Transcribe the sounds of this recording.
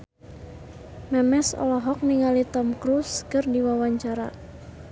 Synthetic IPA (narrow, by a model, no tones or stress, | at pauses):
mɛmɛsɔ̰lɔɦɔk̚niŋalit̪ɔmkɾuskərdiwawaɲt͡ʃaɾa̰